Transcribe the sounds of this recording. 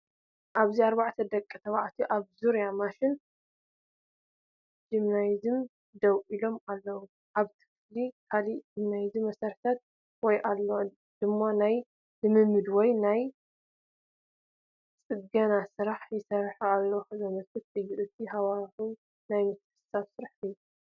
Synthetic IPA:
ʔaβziaɾbaʕt̪ʰɐd̪ɐkʼːɐt̪ʰɐβaʕt̪ʰiʔaβzuɾjamaʃɪn | d͡ʒɨmnajzɨm | d̪ɐwilo̞malːɐwu | ʔaβt̪ʰɨ̥flikʰalid͡ʒɨmnajzimɐsɐɾħt̪ʰat̪̚ | wɔjʔalːo | d̪̥ɨmːanaj | lɨmɨmːɨd̪wɔjnaj | t͡sʼɨɡɐnasɨɾaħjɪsɐɾħalːoxzɐmɐkʰɨt̪ʼɨjiʔɨt̪ʰːihawaħu | najmɨt̪ʰː | saβsɨɾaħt̪ʰɨjːu

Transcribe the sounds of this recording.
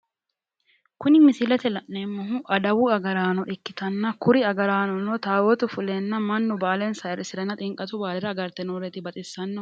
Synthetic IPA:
kʊnɪmɪsɪlɛt̪ɛlɐʔneːmːɐɦʊʔɐd̪ɐwʊɐɡɐɾaːnɔʔɪkːɪt̪ɐnːɐkʊɾɪɐɡɐɾaːnɔnɔt̪aːwɔt̪ʊfʊlenːɐmɐnːʊbaːlɛnsɐɪɾɪsɪɾɛnːɐt̪ʼɪŋkʼɐt̪ʊbaːlɛɾɐɐɡɐɾt̪ɛnoɾɛt̪ɪbɐt̪ʼɪsːɐnːɔ

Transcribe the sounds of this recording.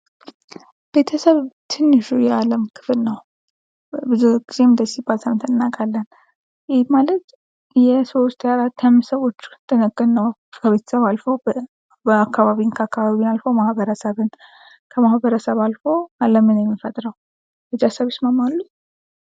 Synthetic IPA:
b̥e̞t̪ʰəsəβt̪ʰɨnːɨʃujaləmkʰɨ̥flnəw | bɨzuɡize̞nd̪əsibalt̪ʰəmnt̪ʰənːakʼalːən | jɪhmalət̪ | jɛsowst̪ʰʼjaɾat̪ʰːamsəwo̞t͡ʃːt̪ʰːənəkʼːənəwkʰəβe̞t̪ʰə̥səβalfəw | bəakːaβaβinkʰəakːaβaβinalfəwmahbəɾəsəβɨn | kʰəmahbəɾəsəβalfo̞aləmɨnjɛmːifət̪ʼɾəw | b̥et̪ʰəsəβɪsmamalːut̪

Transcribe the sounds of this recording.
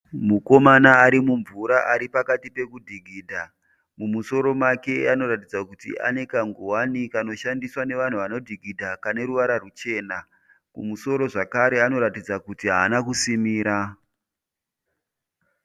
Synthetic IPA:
muko̞manaːɾimuɱvuɾaʔaɾipakatipe̞kudʱiɡʱiːdʱa | mumuso̞ɾo̞make̞ano̞ɾatid͡zakutḭa̰nekaŋɡuwanikano̞ʃandiswane̞ʋan̤uʋano̞dʱiɡʱidʱakane̞ɾuʋaɾarut͡ʃe̞ːna | mumuso̞ɾo̞ʐakaɾe̞ano̞ɾatid͡zakutiɦaːnakusimiːɾa

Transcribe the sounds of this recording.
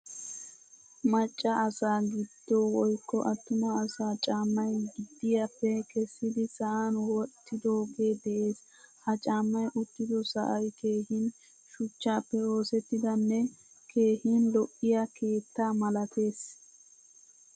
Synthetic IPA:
mɐt͡ʃʼːɐʔɐsaːɡɪd̪̥ːowɔjkːɔ̰ʔɐt̪ːʊmɐːsaːt͡ʃʼaːmːɐjɡɪd̪ːɪjɐpːɛkɛsːɪd̪ɪsɐʔanwɔt̪ːɪd̪o̞ːɡe̞ːd̪ɛʔe̞ːs | hɐt͡ʃʼaːmːɐjʔʊt̪ːɪd̪ɔsɐ̰ʔɐjke̞ːhɪn | ʃʊt͡ʃːaːpːɛo̞ːsɛt̪ːɪd̪ɐnːɛ | kʰe̞ːhinlɔʔːɪjakʰe̞ːt̪ːaːmɐlɐt̪e̞ːs

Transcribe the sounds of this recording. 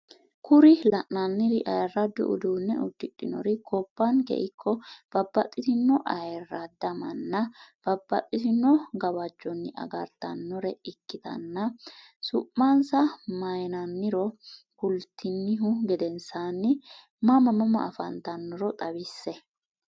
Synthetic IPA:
kʰʊɾɪlɐʔnɐnːɪɾɪʔɐjrːɐd̪ɔ̰ʔʊ̰d̪uːnːɛ̰ʔʊd̪ːɪᶑːɪnɔ̰ɾɪkʰɔpːɐnkɛ̰ʔɪkʰːɔb̥ɐbːɐt̪ʼːɪt̪ɪnːɔʔɐjrːɐd̪ɐmɐnːɐb̥ɐbːɐt̪ʼːɪt̪ɪnɔɡɐβɐd͡ʒːɔnːɪʔɐ̰ɡɐ̰ɾt̪ɐ̰nːɔɾɛɪkːɪt̪ɐ̰nːɐ | sʊʔːɐnsɐmɐjnɐnːɪɾɔ | kʊlt̪ʰːɪnːɪɦʊɡɛd̪ɛnsaːnːɪ | mɐmɐmɐmɐ̰ʔːfɐ̰nt̪ɐnːɔɾɔt̪ʼɐbɪsːɛ

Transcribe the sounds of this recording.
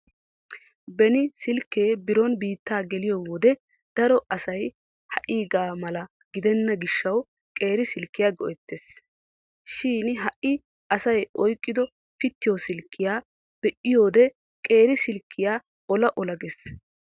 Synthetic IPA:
bɛnɪsɪlkːeːbɪɾonbiːt̪ːaːɡɛlɪjoːwɔd̪ɛ | d̪̥ɐɾɔʔɐsɐj | hɐʔiːɡaːmɐlɐ | ɡ̥ɪd̪ɛnːɐɡɪʃːɐw | kʼe̞ːɾɪsɪlkːɪjaːɡɔʔɛt̪ːes | ʃiːnɦɐʔːɪ | ɐsɐjʔɔjkʼːɪd̪ɔ | pɪt̪ːɪjosɪlkʰːɪjaː | b̥ɛʔɪjo̞ːd̪ɛ | kʼe̞ːɾɪsɪlkʰːɪjaː | ɔlɐʔɔlɐɡes

